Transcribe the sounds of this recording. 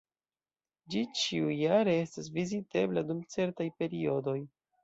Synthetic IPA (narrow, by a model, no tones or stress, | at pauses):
d͡ʒit͡ʃiujaɾe̞e̞stas̬vizite̞bladumt͡se̞ɾtajpe̞ɾio̞do̞j